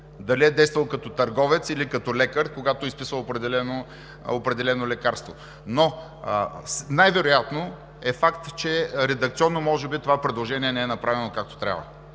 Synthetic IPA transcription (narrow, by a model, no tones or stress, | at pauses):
d̪ɐliɛd̪ɛjst̪vɐlˠkɐt̪ɔt̪ɐɾɡɔvɛt̪silikɐt̪ɔlɛkəɾkoɡat̪oispisvəopɾɛd̪ɛlɛno | opɾɛd̪ɛlɛnolɛkaɾst̪vo̰ | no | najvɛɾʊjat̪no | ɛfakt̪t͡ʃɛɾɛd̪əkt̪siɔnːomɔʒɛbit̪ovapɾɛd̪lˠoʒɛniɛnɛɛnɐpɾavɛnokak̚t̪o̥t̪ɾʲa̰və̰